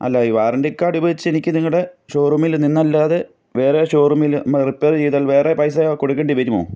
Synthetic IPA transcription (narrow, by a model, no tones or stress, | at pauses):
ɐ̰lːaiʋaːrɐɳdeikːaːɽibɐðit͡ɕːenikʲːɨniŋːɐɽeɕo̞ːrumilninːɐlːaːðe | ʋeːɾeɕo̞ːrumilmripːeːrd͡ʑiːðɐɭʋe̞ːrepɐjsɐkoɽukːeɳɖiʋɐɾumo̰ː